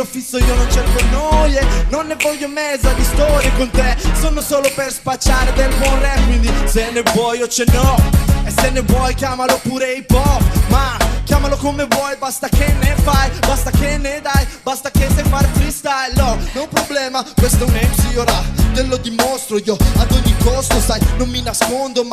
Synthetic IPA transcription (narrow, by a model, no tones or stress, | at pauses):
lofisːoiːonont͡ʃerkonojenonːevɔʎːomɛd̪zːad̪ist̪ɔɾjekont̪esonosoːloperspat͡ʃːaɾed̪elb̪wɔnrɛkwind̪isenːevwɔjot͡ʃenːɔesenːevwɔjkjaːmalopuːɾeipɔpmakʲjaːmalokomevwɔjbast̪akenefajbast̪akened̪ajbast̪akesefaɾt̪ɾist̪aenɔnopɾoblɛːmakwest̪ɛuneksioɾat̪elːod̪imost̪ɾoioad̪oɲːikɔst̪osajnonminaskond̪om